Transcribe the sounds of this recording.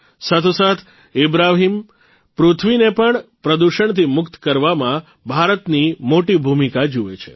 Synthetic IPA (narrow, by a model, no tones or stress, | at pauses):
sat̪ʰusat̪ʰ | ibɾaɦim | pɾut̪ʰʋinepəɳpɾəd̪uʃəɳt̪ʰimʊkt̪kəɾʋamã | bʱaɾət̪nimoʈibʱumikad͡ʒuʋḛt͡ʃʰḛ